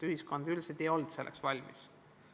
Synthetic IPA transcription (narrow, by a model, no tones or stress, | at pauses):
yhisko̞nd̪̥ylsed̪ejo̞ld̪se̞lʔeksvɑlʲmḭs